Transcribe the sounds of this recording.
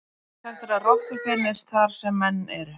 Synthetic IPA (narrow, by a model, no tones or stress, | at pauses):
θalt̪ɪɾaðrɔt̪ʏfɪnːɪst̪θaɾ̥sɛmːɛnːɛɾʏ